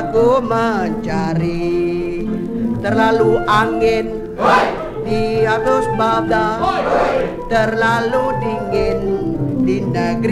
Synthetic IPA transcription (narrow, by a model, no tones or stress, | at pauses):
kuməɲt͡ʃaɾi | t̪ərlaluʔaŋɪn | diat̪osbabla | t̪ərlaludiŋɪndinəɡɾ